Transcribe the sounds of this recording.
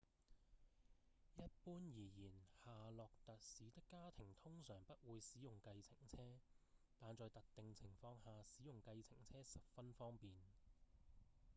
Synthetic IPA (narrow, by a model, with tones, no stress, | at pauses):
jɐ˥t̚puː˥njiː˨˩jiː˨˩nhaː˨lɔː˨k̚t̪ɐ˨t̚siː˨˥t̪ɪ˥kːaː˥t̪ʰɪ˨˩ŋt̪ʰʊ˥ŋsœː˨˩ŋpɐ˥t̚wuː˨˧jsiː˨˥jʊ˨ŋkɐ˧jt͡sʰɪ˨˩ŋt͡sʰɛː˥ | t̪aː˨nt͡sɔː˨˧jt̪ɐ˨k̚t̪ɪ˨ŋt͡sʰɪ˨˩ŋfɔː˧ŋhaː˨˧siː˨˥jʊ˨ŋkɐ˧jt͡sʰɪ˨˩ŋt͡sʰɛː˥sɐ˨p̚fɐ˥nfɔː˥ŋpiː˨n